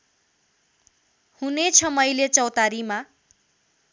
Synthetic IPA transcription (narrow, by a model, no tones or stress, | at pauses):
hunet͡sʰʌmʌjlet͡sʌwt̪aɾima